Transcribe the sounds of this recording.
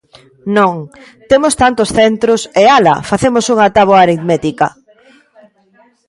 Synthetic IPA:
nõŋ | t̪emʊst̪ant̪ʊsθent̪ɾʊsealɐ̰faθemʊsuŋat̪aβoɐːɾiðmɛt̪ikɐ

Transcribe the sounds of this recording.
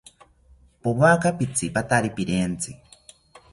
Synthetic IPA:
poβakapit͡sʰipat̪aɾipiɾent͡si

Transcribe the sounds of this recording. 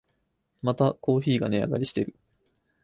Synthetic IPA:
mat̪ako̞ːçiːɡane̞a̰ɡa̰ɾʲiɕi̥t̪e̞ɾɯ̟

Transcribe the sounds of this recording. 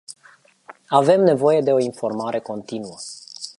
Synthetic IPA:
ave̞mne̞vo̞je̞d̪e̞o̞info̞rmaɾe̞ko̞nt̪inuə

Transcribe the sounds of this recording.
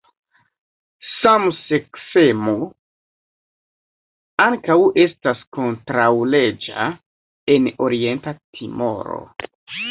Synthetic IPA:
samsekfemu | aŋkawe̞stasko̞ntɾawle̞d͡ʒa̰ | e̞no̞ɾie̞ntatʰimo̞̰ɾo̰

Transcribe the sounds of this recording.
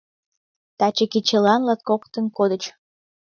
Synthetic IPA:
t̪ɑt͡ɕəkit͡ɕelɑnlɑt̪̚kokt̪ə̆nkod̪ə̆t͡ɕ

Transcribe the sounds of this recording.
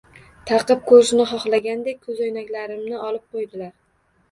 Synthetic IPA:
t̪ʰɑqɨp̚kʰɵɾʃɪnɪχɒχlˠaɡʲand̪ek̚ʲkʰɵzɒjnakʲlaɾɪmnɪɒlɪp̚qʰojd̪ɪlaɾ

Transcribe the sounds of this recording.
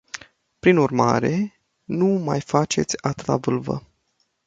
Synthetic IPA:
pɾinurma̰ɾe̞ | numajfat͡ʃe̞t̪sʲat̪ɾa̰vɨlvə̰

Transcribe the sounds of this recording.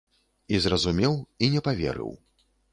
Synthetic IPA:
izrɐzumʲɛwinʲɛpavʲɛ̰ɾɨ̰w

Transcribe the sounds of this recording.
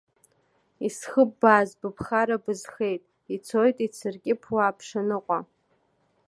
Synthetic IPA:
isχəbːaːzbɨpʰχaɾabɨzχe̞jtʼ | it͡sʰojtʼit͡sʰɨrkʲʼɪpʰwaːpʰʂanɨqʷʼa

